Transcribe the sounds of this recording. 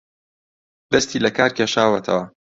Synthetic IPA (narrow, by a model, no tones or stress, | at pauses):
d̪̥ɐst̪iːlɐkaːɾkʰʲeːʃaːwɐt̪ʰɐ̰wɐ